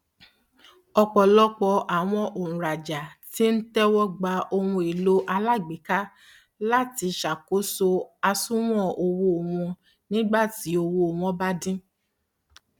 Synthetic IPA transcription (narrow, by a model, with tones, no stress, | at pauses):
ɔ˧k͡pɔ˨lɔ˦k͡pɔ˧ʔa˨w̃ɔ̃˧ʔo˨ũ˨ɾa˨d͡ʒa˨ti˦n̩˦tɛ˦wɔ˦ɡ͡ba˧ʔo˧wũ˧e˨lo˦ʔa˧la˦˨ɡ͡bi˨˦ka˦ | la˦ti˧ʃa˨ko˨˦so˧a˧sũ˦w̃ɔ̃˦˨o˧wo˧o˨wɔ̃˧ | nĩ˦ɡ͡ba˦˨ti˨˦o˧wo˧o˨w̃ɔ̃˨˦ba˦dĩ˦